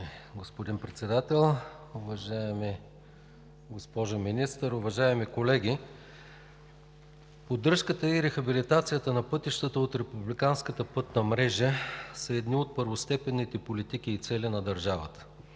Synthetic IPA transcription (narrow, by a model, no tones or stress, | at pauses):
ɡospod̪inpɾɛt̪sɛd̪at̪ɛlˠʊvɐʒaɛmi | ɡospɔʒominist̪əɾʊvɐʒaɛmikolɛɡʲi | pod̪ɤɾʃkət̪əiɾɛxɐbilit̪at̪sijət̪ənɐpɤt̪iʃt̪ət̪əot̪ɾɛpublikanskət̪əpɤt̪nɐmɾɛʒəsəɛd̪niot̪̚pəɾvost̪ɛpɛnːit̪ɛpolit̪ik̟ʲiːt̪sɛlinɐd̪ɐɾʒavə̰t̪ə̥